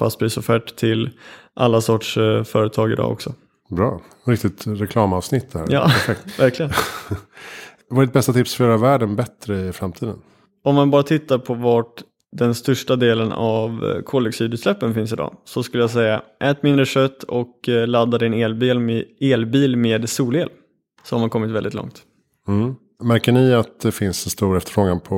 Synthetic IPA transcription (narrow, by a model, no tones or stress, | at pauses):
fa̰st̪̚b̪iːsɔfæːʈt̪ʰɪlʔa̰lːasɔʈʂfœːɾət̪ʰɑːɡɪ̰d̪ɑ̰ːɔ̰ksɔ | bɾɑ̰ː | ɾɪk̚t̪ɪt̪ɾɛkʰlɑːmɑvsnɪt̪ʰːd̪ɛhæ̰ɾjɑ̰ːɾfɛk̚t̪væɾklɪɡən | vaɖɪt̪̚bɛst̪at̪ʰɪpsfœɾɛɾavæːɖənbɛt̪ɾəɪfɾamt̪ʰiːd̪ən | ɔmmanbɑːɾat̪ʰɪt̪ːaɾpʰɔvaʈ | d̪ɛnst̪œʂʈad̪eːləna̰vkʰɔlːɛksʰiːd̪ʉːt̪slɛpːənfɪns̬ɪd̪ɑ̰ːsɔskɵləjaːs̬ɛjːaʔɛːt̪mɪnd̪ɾəɕœt̪ːɔklad̪ːad̪ɛneːlbiːleːlbiːlmeːd̪suːleːl | sɔhaɾmankʰɔmːɪt̪vɛld̪ɪt̪lɔ̰ŋt̪ | m̩ | mæɾkəɳɪat̪̚d̪ɛfɪnsɛnst̪uːɾɛft̪əɾfɾoːɡanpʰɔ